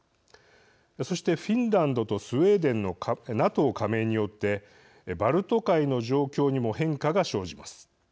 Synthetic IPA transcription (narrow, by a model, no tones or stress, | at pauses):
so̞ɕi̥t̪e̞ɸʲĩnɾãnd̪o̞t̪o̞sɨe̞ːd̪ẽ̞nːo̞nat̪o̞ːkʰame̞ːɲ̟ijo̞t̪ːe̞ | baɾɯ̟t̪o̞kaino̞ʑo̞ːkʲo̞ːɲ̟imo̞hẽ̞ŋkaɡaɕo̞ːʑimasɨ̥